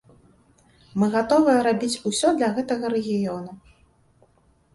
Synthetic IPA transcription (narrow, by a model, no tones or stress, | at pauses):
mɨɣat̪ɔvɨjɐɾabʲit͡sʲusʲɔd̪lʲɐɣɛt̪ɐɣɐɾɛɣʲijɔnu